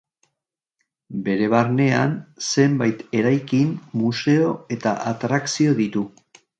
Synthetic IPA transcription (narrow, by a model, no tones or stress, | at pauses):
be̞ɾe̞β̞aɾne̞a̰nse̞mbajt̪e̞ɾajkinmuse̞o̞e̞t̪aʔat̪ɾaksio̞ðit̪u